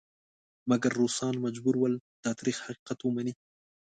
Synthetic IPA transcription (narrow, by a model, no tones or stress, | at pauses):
maɡaɾːusɑnmad͡ʒbuɾwəlt̪ɑt̪ɾixhaqi̥qat̪wəmani